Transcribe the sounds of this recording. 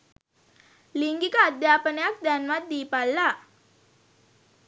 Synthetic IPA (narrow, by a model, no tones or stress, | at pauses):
liŋɡikadapənak̚danmat̪̚dipala